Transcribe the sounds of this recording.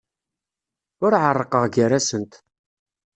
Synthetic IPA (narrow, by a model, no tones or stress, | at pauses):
ʊɾʕərˤːəqəʁɡəɾæsənt̪